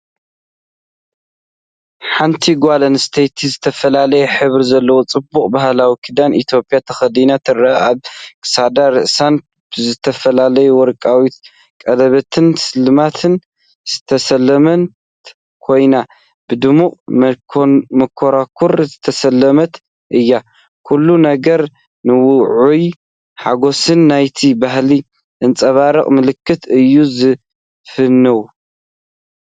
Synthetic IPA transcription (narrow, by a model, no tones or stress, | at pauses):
ħant̪ʰiɡʷalɐnst̪ʰejt̪ʰizɨt̪ʰɐfɐlalɐjɛħɨβɾizɐlːɐwo̞t͡sʼɨbːuχʼbahlawikʰɨd̪anʔit̪ʰjo̞pʼijat̪ʰɐxɐd̪inat̪ʰɨrɐaaβkʰʼɨ̥sad̪aɾɨʔsan | b̥ɨzɨt̪ʰɐfɐlalɐjuwɔɾkʼawit̪ | kʼɐlɐβɐt̪ʰɨnsɨlɨmat̪ʰɨn | z̥ɨ̥t̪ʰɐsɐlːɐmɐn | kʰo̞jna | b̥ɨd̪ɨmuqʼ | mɐkʰːoɾakʰːuɾzɨt̪ʰɐsɐlːɐmɐt̪ | ʔɨjːa | kʰulːunɐɡɐɾ | nɨwʊʕuj | ħaɡo̞sɨnːajt̪ʰibahli | ʔɨnt͡sʼɐβaɾɐχʼmɨlɨkːɨt̪ɨjːuzɨ | fɨnːɨwu